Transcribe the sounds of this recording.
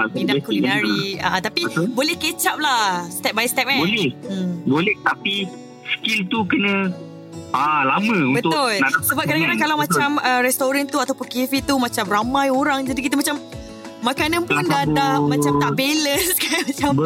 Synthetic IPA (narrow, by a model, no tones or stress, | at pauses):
aidakulinnaɾiat̪apibolɛhket͡ʃap̚lahst̪ɛp̚bajst̪ɛp̚ãbolɛəmbolɛht̪api | skilt̪ukənə̃ | ʔalamə̃ubət̪ʊʊlnasəbap̚kadaŋkadaŋkalawmãt͡ʃaməɾɛst̪oɾant̪uat̪awpʊnkivit̪umãt͡ʃamramãjoɾaŋd͡ʒadikit̪̬əmat͡ʃam | makanãnpʊndadahmãt͡ʃamaʔbelənskanmat͡ʃam